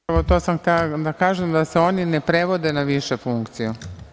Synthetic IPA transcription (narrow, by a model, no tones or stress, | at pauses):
ot̪o̞ːsamxt̪elad̪akaːʒemd̪aseo̞ːninepɾeʋo̞d̪e̞naʋiʃefuŋkt̪siju